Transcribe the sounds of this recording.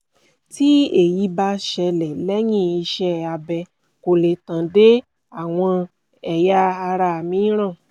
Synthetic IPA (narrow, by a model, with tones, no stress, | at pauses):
ti˦e˨ji˨˧˦ba˧˦ʃɛ˧lɛ˨lɛ˦j̃ĩ˦˨i˧ʃɛ˧a˧bɛ˧ | ko˨le˨tã˨de˦ | a˦˨w̃ɔ̃˧ | ɛ˨ja˧˦a˧ɾa˧˨mĩ˨˦ɾ̃ã˦˨